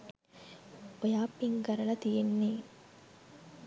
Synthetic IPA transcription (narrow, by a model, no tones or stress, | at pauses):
ojaːpːiŋɡɐɾɐlɐt̪ijenːeː